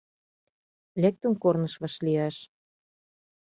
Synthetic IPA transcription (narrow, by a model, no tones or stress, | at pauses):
lek̚t̪ə̆nkornɤ̆ʃβɑʃliɑʃ